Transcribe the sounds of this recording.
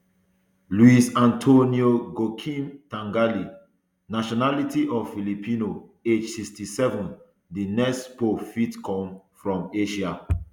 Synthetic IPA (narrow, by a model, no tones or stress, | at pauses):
luisãntʰonioɡokʰĩntãŋɡali | naʃɔnalitiʔɔvfilipʰĩnoed͡ʒsikstisɛvɔ̃n | dinɛkstpofitkʰɔ̃m | fɹɔ̃meʃia